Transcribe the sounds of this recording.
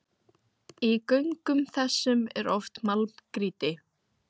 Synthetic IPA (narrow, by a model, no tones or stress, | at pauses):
ikœɥŋkʏmθɛsːʏmɛ̰ɾɔft̪malkɾiːt̪ɪ